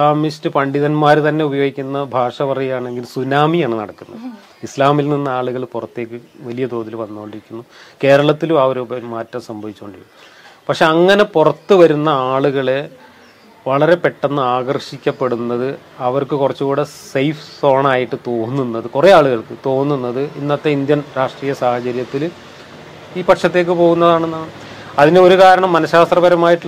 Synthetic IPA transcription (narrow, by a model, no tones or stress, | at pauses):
aːmistɨpɐɳɖiðɐnmaːɾt̪ɐnːe̞ubɐjo̞ːɡikʲːunːɐbʱaːʂɐʋɐrɐjjaːɳe̞ŋɡilsunaːmijaːɳɨnɐ̰ɽɐkːunːɐ̰ð | islaːmilninːɨaːɭuɣɐɭpurɐt̪ːe̞ːkʲːɨʋɐlijɐd̪o̞ːðiluʋɐnːuooːɳɖiɾikʲːunːuke̞ːɾɐɭɐt̪ːilumɐʋɐɾubɐmaːtːɐmsɐmbʱɐʋit͡ɕːoːɳɖii | pɐkʂe̞ɐŋːɐne̞purɐt̪ːɨʋɐɾunːɐaːɭuɣɐɭe | ʋɐɭɐɾe̞pe̞ʈːɐnːɨaːɡɐrɕikʲːɐpːe̞ɽunːɐðɨ | ɐʋɐrkɨkurɐt͡ɕːukuːɽesejfso̞ːɳaːjiʈːɨt̪o̞ːnːunːɐðɨkureaːɭuɣɐɭkɨt̪o̞ːnːunːɐðɨinːɐt̪ːeind̪jɐnɾaːʂʈriːjɐsaːhɐt͡ɕɐɾjɐt̪ːil | iːpɐʈʂɐt̪ːe̞ːk̬ːɨpo̞ːɣunːɐðaːɳenːa | ɐðineo̞ɾukaːɾɐɳɐmːɐnɐɕaːst̪rɐbɐɾɐmaːjiʈːɨ